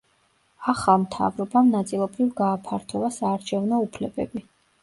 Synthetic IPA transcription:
aχamt̪ʰa̰vɾɔbamnat̪sʼilˠɔbɾivɡaːpʰaɾt̪ʰɔvasaːɾt͡ʃʰɛvnɔupʰlɛbɛ̰bi

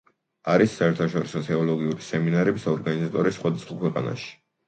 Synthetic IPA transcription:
aɾisːaɛɾt̪ʰaʃɔɾisɔt̪ʰɛɔlɔɡiuɾisɛminaɾɛbisɔɾɡanizat̪ʼɔɾisχwad̪asχwakʰwɛqʼa̰na̰ʃi̥

